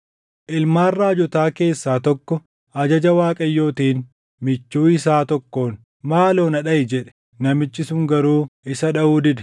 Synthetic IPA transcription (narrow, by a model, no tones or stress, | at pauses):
ʔɪlmaːrːaːd͡ʒɔt̪aːke̞ːsːaːt̪ɔkːɔ | ɐd͡ʒɐd͡ʒɐwaːkʼɐjːo̞ːt̪iːn | mɪt͡ʃːuːɪsaːt̪ɔkːo̞ːn | maːlo̞ːnɐᶑɐjɪd͡ʒɛᶑɛ̥ | nɐmɪt͡ʃːɪsʊŋɡɐɾuːɪsɐᶑɐuːd̪ɪd̪ɛ̥